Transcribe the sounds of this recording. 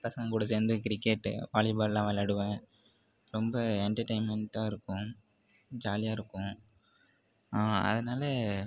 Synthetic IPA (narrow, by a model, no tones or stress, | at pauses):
pɐsɐŋɡɐkʊɽɐs̬eːnd̪ɯkɪɾɪkːeʈːʋaːlɪbaːllãːʋɐlɐɽɯʋẽː | ɾɔmbɐɛɳʈɐɾʈɐɪnmɛɳʈaːɪɾɯkːʊ̃ | d͡ʒaːlɪjaːɪɾɯkːʊ̃ | aːɐ̰ðɐnaːlɐ